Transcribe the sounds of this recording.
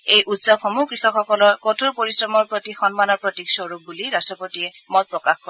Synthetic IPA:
ejʔutsabxɔmuɡɹixɔxɔkɔlɔɹkotʰuɹpoɹisɹɔmɔɹpɹotixɔnmanɔɹpɹotiksɔɹuk̚buliɹastɹɔpotiɛmɔt̚pɹɔkaxkɔɹ

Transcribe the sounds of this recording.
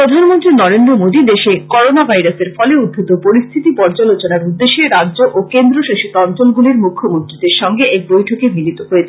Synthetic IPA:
pɾod̪ʱanmont̪ɾinɔɾend̪ɾomod̪id̪eʃekɔɾonabʱajɾaseɾfɔleud̪ʱit̪opoɾist̪ʰit̪ipɔɾd͡ʑalot͡ɕonaɾud̪ːeʃeɾadʑoʔokend̪ɾoʃaʃit̪ɔnt͡ɕolɡuliɾmukʰːomont̪ɾid̪eɾʃɔŋɡeebojʈʰokemilit̪oɦoet͡ɕʰ

